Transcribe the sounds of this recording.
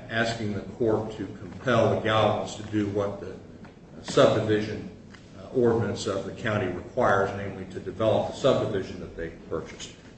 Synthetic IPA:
æskɪ̃ŋðɨkʰɔɹtʰɨkʰə̃m̩pʰɛlˠðɨɡæə̃nstʰɨdɨwʌt̪̚ðɨ | sʌb̚dɨvɪʒɨ̃n | ɔɹdⁿnɨ̃ntsʌvðɨkʰãʊ̃ɾ̃iɹɨkʰw̥aɪə˞znẽɪ̃mliɾɨdɨvɛlˠəp̚ðəsʌb̚dɨvɪʒɨ̃nðɨt̪̚ðeɪpʰɜ˞t͡ʃɨ̥st̚

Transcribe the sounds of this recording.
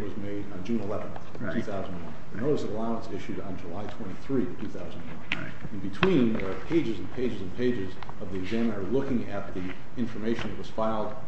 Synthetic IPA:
wʌzmeɪɾn̩d͡ʒʉ̃nəlɛvə̃nθ | ntʰʉθaʊzn̩d̃nwʌ̃nðɨnoʊɾəsʌvəlaʊə̃nsɪʃʉɾn̩d͡ʒəlaɪtʰw̥ɛ̃ɾ̃iθɹitʰʉθaʊzndnwʌ̰̃n | ɨ̃nbɨtʰw̥ĩnəpʰeɪd͡ʒɨz̃npʰeɪd͡ʒɨzɨ̃npʰeɪd͡ʒɪz | ʌvðiɨɡzæ̃mə̃nə˞lʊkɪ̃ŋɨt̪̚ði | ɪ̃ɱfə˞meɪʃɨ̃n̩ðɨt̚wʌz̥faɪlˠd̚

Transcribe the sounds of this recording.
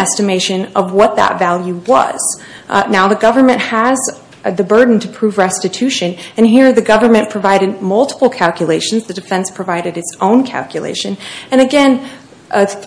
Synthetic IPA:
ɛstɨmeɪʃɨ̃nʌvwʌt̪̚ðə̰tvælˠjʉwʌ̰z̥ | naʊðɨɡʌvə˞mɨ̃nʔhəz | ðɨbɜ˞dⁿn̩tʰɨpʰɹ̥uvɹɛstɨtʰʉʃɨ̃nɨ̃nɦiɹðɨɡʌvə̃˞mɨ̃npʰɹ̥ɨvaɪɾɨd̚mʌlˠtə̥pl̩ˠkʰælˠkjɨleɪʃn̩zðɨdɨfɛ̃nspʰɹ̥ɨvaɪɾɨɾɨtsõʊ̃nkʰæ̰lˠkjɨlḛɪʃɨ̃nɨ̃ñɨɡɛ̃n

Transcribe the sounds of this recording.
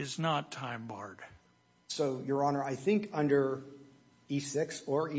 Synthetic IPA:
ɪznətʰãɪ̃mbɑɹd̥ | soʊjə˞ɑnə˞aɪθɪ̃ŋkʌ̃ndə˞ | isɪksə˞i

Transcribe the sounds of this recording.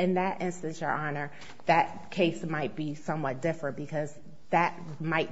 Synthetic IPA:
ɨ̃nðɨɾʔɪ̃nstɨ̃nsjə̰˞ʔɑnə˞ | ðɨt̚kʰeɪsmaɪt̚b̥isʌ̃mwʌt̚d̥ɪfɹɨ̃nb̥ɨkʰʌz | ðɨt̚ | maɪt̚

